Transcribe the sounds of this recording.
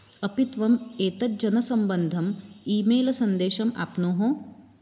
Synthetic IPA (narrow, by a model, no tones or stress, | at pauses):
ɐpit̪ʋɐmeːt̪ɐt̪̚d͡ʒɐnɐsɐmbɐnd̪ʱɐmiːmeːlɐsɐnd̪eːʃɐma̰ːpnoːɦõː